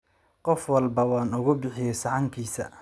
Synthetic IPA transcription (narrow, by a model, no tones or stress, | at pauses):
qɔfwɑlbɐwɑːnʊɣʊbɪħɪjɛjsɑʕɑŋkʰiːsɐ̰